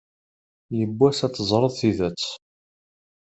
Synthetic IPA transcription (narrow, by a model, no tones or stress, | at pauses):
jəbːæsæt̪ːəzˤɾˤəðˤθiðæt͡sː